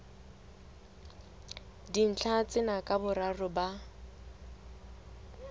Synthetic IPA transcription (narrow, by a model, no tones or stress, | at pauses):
din̩t͡ɬʰat͡sʼɪnakʼabʊrarʊba